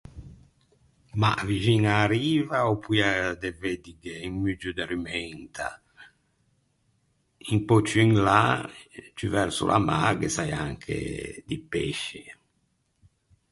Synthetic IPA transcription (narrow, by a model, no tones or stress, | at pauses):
ma̰vid͡ʒinaːɾiːvaopʰːujad̪eved̪iɡeiŋmyd͡ʒud̪eɾyment̪ʰa̰ | iŋpot͡ʃːuiŋla | t͡ʃyvɛɾsṵlʔa̰maːɡesajaŋkʰḛd̪ipeʃːe